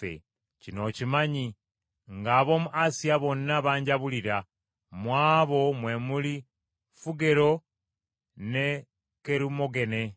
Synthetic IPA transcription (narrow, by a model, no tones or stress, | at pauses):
ḛ | cinocimaɲi | ŋɡaβomuʔasiaβonaβaːɲɟaβuliɾa | mwaːβomwemuli | fuɡeɾo | ne | keɾimoɡe̞ne